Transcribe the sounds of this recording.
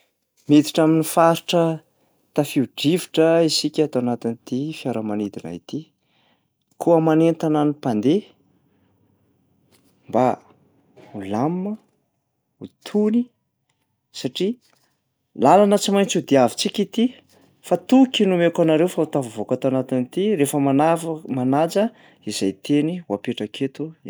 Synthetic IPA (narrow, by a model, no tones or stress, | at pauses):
met̪i̥ʈ͡ʂaminifaɾiʈ͡ʂə | t̪afiuɖ͡ʐiviʈ͡ʂəisikʲat̪owanat̪int̪ifjaɾəmanid̪ina̰ḭt̪i | kʰuamanent̪ananipand̪e | mba | ulamːə | ut̪ʰuni | saʈ͡ʂi | lalanət͡simajnt͡sud̪iavit͡sikʲit̪i | fat̪ukinumekanaɾewfaut̪avavokat̪anat̪init̪iɾefəmanamanad͡zə | izajt̪ʰeniwapeʈ͡ʂəkʰet̪u